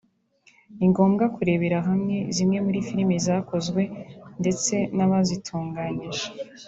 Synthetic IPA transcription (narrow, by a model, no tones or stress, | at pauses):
iŋɡo̞ːmɡakuɾe̞βe̞ɾaɦamŋe̞zimŋe̞muɾifiɾimizaːko̞zɡwe̞nde̞t͡se̞naβazitʰuːŋɡaːɲiʒe